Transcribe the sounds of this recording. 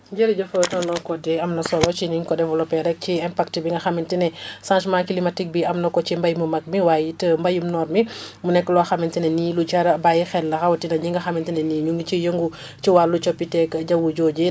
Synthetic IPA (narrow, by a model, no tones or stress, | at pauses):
d͡ʒəɾiɟɐfɔtɔnlɔkɔdɛɐmnɐsɔlɔt͡ʃiniŋkɔdɛvɐlɔpɛɾɛk̚t͡ʃiɛmpak̚tibiŋɡɐxamintinɛsãnʃmakilimatik̚biɐmnɐkɔt͡ʃimbɐjmumɐk̚miwaːjitəmbɐjumnɔːɾmimunɛkːəlɔaxɐmintinɛnilut͡ʃaɾbajixɛlːɐxɐwɐtinɐɲiŋɡɐxɐmintinɛniːɲuŋɡit͡ʃijəŋɡu | t͡ʃiwalːut͡ʃɔpːitɛkːɟɐwud͡ʒɔːɟi